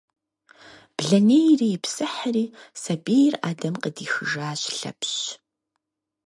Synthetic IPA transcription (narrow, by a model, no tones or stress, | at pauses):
b̥ɮɐneːjriːjɪpsɨħəriːsɐbeːjra̰ːdɐmqədiːxɨʒaːɕɬɐ̰pʰɕ